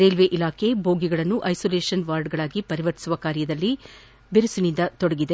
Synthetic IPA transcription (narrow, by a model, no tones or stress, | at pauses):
ɾeːlʋeʔilaːkʰe̞bʱoːɡiɡɐɭɐnːuʔɐjsoːleːʂɐnʋaːɾɖɡɐɭaːɡipɐɾiʋɐɾt̪i̥suʋɐkaːɾjɐd̪ɐlːi | beɾusunind̪ɐt̪ɔɽɐɡid̪e̞